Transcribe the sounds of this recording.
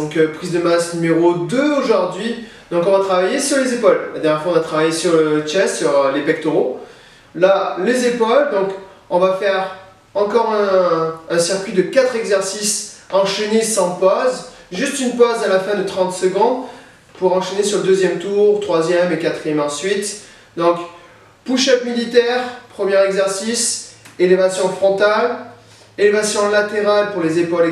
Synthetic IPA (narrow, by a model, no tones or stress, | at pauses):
ɔ̃kpχizd̪əmasnymeʁod̪øoʒuʁd̪ɥi | d̪ɔ̃kɔ̃vat̪χavajesyʁlezepɔlla̰d̪ɛʁnjɛʁfwaɔ̃vat̪χavajesyʁlət͡ʃɛssyʁlepɛk̚t̪oʁo | lalezepɔld̪ɔ̃k | ɔ̃vafɛʁ | ɑ̃kɔʁɛ̃ɛ̃siʁkʲɥid̪əkat̪χɛɡzɛʁsisɑ̃ʃenesɑ̃pɔz | ʒyst̪ynpɔzalafɛ̃d̪ət̪χɑ̃t̪səɡɔ̃d̪ | puʁɑ̃ʃenesyʁləd̪øzjɛmt̪uʁt̪χwazjɛmekat̪χijɛmɑ̃sɥit̪ | d̪ɔ̃k | puʃat̪milit̪ɛʁpχəmjɛʁɛɡzɛʁsiselevasjɔ̃fχɔ̃t̪al | elevasjɔ̃lat̪eʁalpuʁlezepɔl